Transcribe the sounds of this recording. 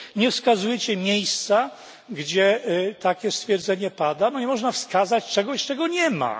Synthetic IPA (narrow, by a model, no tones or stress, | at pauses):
ɲɛfskazujɛt͡ɕɛmʲjejst̪sa | ɡd͡ʑɛt̪akʲɛst̪fʲjɛɾd̪zɛɲɛpad̪abɔɲɛmɔʐnafskazat͡ɕt͡ʂɛɡɔɕt͡ʂɛɡɔɲɛma̰